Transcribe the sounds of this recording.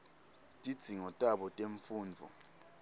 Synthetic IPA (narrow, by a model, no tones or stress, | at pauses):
tʼid̥z̥ʱiŋɔtʼaɓɔtʼeɱfuːnd͡vʱɔ̰